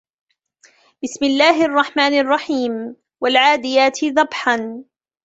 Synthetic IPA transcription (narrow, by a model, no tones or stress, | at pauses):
bɪsmɪlːaːɦɪʔɑrˤːɑħmaːnʔɑrˤːɑħiːm | walʕaːd̪ɪjaːt̪ɪðˤɑbħan